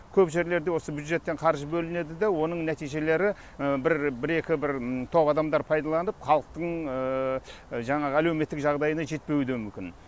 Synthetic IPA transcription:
kʲʰɵpʒe̞ɾle̞ɾd̪e̞wo̞səbjud̪ʒe̞t̪ːe̞ɴqʰɑɾʒəbɵlɪne̞d̪ɪd̪ewo̞nəɴnæt̪ijʒe̞le̞ɾɪ | bɪɾbɪɾe̞kʲɪbɪɾt̪ʰo̞pɑd̪ɑmd̪ɑɾpʰɑjd̪ɑlˠɑnəpχɑlˠəq̚t̪əɴə | ʒɑɴɑʁəæleme̞t̪ːɪkʒɑʁd̪ɑjənɑʒe̞t̪̚pe̞wɪd̪emʏmkʲɪn

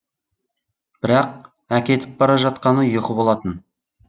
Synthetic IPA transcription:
b̥ɪɾɑq̚ | ækʲe̞t̪ɪp̚bɑɾɑʒɑt̪̚qɑnəjoqəbo̞lˠɑt̪ən

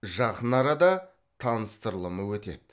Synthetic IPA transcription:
ʒɑqənɑɾɑd̪ɑ | t̪ʰɑnəst̪əɾlˠəməwɵt̪e̞̰d̪ɪ

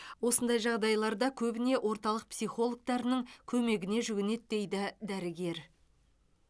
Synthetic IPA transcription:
wo̞sənd̪ɑjʒɑʁd̪ɑjlˠɑɾd̪ɑkʲʰɵbɪne̞ʔwʔo̞ɾt̪ɑlˠəq̚psijχo̞lˠok̚t̪ɑɾnəŋkʲʰɵme̞ɡʲɪne̞ʒʏɡʲɪne̞t̪d̪e̞jd̪ɪd̪æɾɪɡʲe̞ɾ

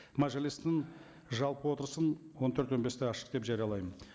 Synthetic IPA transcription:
maʒelist̪ːɪŋ | ʒɑlˠpəwo̞t̪əɾəsənwo̞nt̪ʰøɾt̪wo̞best̪eɑʃə̥q̚d̪e̞pʒɑɾijɑlˠɑjmən

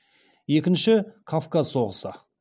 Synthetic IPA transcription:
je̞kʲɪnʃɪkʰafkazso̞ʁəsə̰

